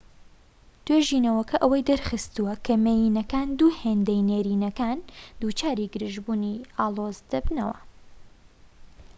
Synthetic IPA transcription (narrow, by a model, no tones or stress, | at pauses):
d̪̥weʒiːnɐwɐkɐʔɐwɐjd̪ɐɾxɨst̪uwɐkʰɐmejinɐkaːnd̪uːheːnd̪ɐjneːɾiːnɐkaːnd̪uːt͡ʃaːɾiɡɨɾɨʒbuːniaːlˠoːzd̪ɐbnɐwɐ̰